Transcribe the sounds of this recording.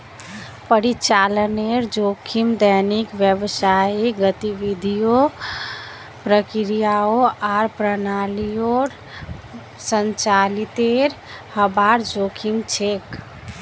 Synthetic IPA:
pəɾit͡ʃaləneɾd͡ʒokʰimd̪ənikʋjəbsaiɡət̪iʋid̪ʱijo | pɾəkiɾijaoaɾpɾənalijoɾ | sənt͡ʃalit̪eɾ | həbaɾd͡ʒokʰimt͡ʃʰek

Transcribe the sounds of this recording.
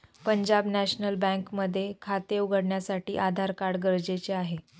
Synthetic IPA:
pəɲd͡ʑabnæɕnəlbɛ̃ŋkməd̪ʱːjekʰat̪euɡəɽɳjasaʈḭːʔad̪ʱaɾkaɽɡəɾd͡ʑet͡seaɦe

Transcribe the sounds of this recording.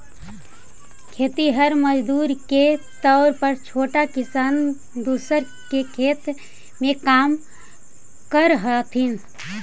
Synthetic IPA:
kʰeːt̪iɦəɾməd͡ʒd̪uːɾket̪ɔʊɾpəɾt͡ʃʰoʈakisaːn | d̪usəɾ | kekʰeːt̪ | mekaːm | kəɾɦət̪ʰin

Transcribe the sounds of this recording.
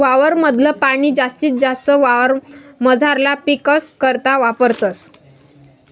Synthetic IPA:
ʋaʋəɾməd̪ʱləpaɽ̃iːd͡zast̪iːt͡sd͡zast̪əʋaʋəɾməd͡zʱaɾlapikəskəɾt̪aʋapəɾt̪əs

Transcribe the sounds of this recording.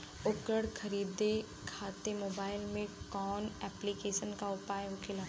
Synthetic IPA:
ʊkəɽkʰɐɾiːd̪e | kʰaːt̪emoːbaːɪlmẽkɔːnɛːplikeːʃənkaʊpaːjʊkʰɪla

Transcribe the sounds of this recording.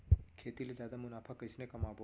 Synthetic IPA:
kʰeːt̪ilezjaːd̪amʊnaːpʰakɐɪsnekɐmaːbʱo

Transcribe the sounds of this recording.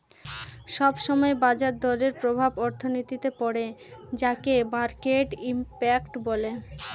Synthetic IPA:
ʃɔbʃɔmɔebad͡ʑaɾd̪ɔɾeɾpɾobʱabɔɾt̪ʰonit̪it̪epɔɽed͡ʑakemaɾkeʈimpɛkʈbole

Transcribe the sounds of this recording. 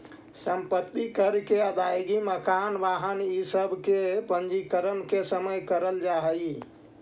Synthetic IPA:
səmpət̪ːikəɾkeəd̪ajɡiməkanʋaɦənisəbʱkepənd͡ʒikəɾənkesəməjkəɾəld͡ʒaɦəj

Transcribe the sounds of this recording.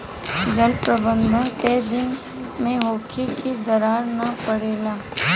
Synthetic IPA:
d͡ʒəlpɾəbə̃nd̪ʱə̃nked̪ɪn | mẽɦoːkʰikʰid̪əɾaːɾnɐpəɽeːlaː

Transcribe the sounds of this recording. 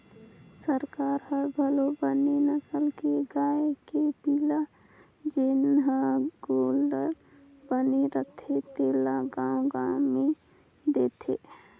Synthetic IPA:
səɾkaːɾhəɾbʱəlobənenəsəlkeɡaːekepiːla | d͡ʒenɦaɡoːləɾ | bəneɾət̪ʰet̪eːlaɡamɡaːme | d̪eːt̪ʰeː

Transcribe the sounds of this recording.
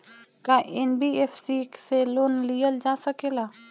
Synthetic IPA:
kaːʔenbiːefsiːkseloːnlijəld͡ʒaːsəkelaː

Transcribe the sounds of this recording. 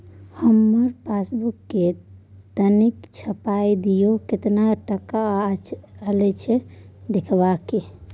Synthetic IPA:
həmːəɾpʰasbukːet̪ənikt͡ʃʰəpajd̪ijokɪt̪naʈəka | əlɛt͡ʃʰɛd̪ekʰbake

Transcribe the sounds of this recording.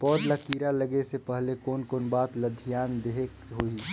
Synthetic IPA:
pɔːd̪lakiːɾaləɡesepəɦlekoːnkoːnbaːt̪ləd̪ʱijaːnd̪eɦekɦoːi

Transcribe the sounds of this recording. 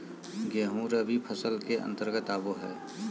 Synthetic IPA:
ɡeɦũɾəbʱipʰəsəlkeʔə̰̃nt̪əɾɡət̪aːboɦɛ̰ː

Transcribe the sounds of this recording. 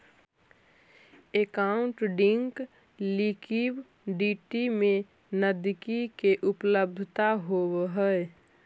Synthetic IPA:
ekaʊ̃ɳʈɖɪ̃ŋk | likib | ɖiʈimẽ | nəd̪ɪkikeʔʊpləb̚d̪ʱt̪aɦowɦəe

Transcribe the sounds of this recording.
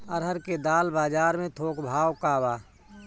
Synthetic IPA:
əɾɦəɾked̪aːlbaːd͡ʒaːɾmẽt̪ʰoːkbʱaːwkaːwaː

